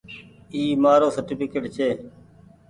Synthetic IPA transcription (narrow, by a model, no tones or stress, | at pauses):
iːmaːɾoːsəɾʈɪpɪkeːʈt͡ʃʰeː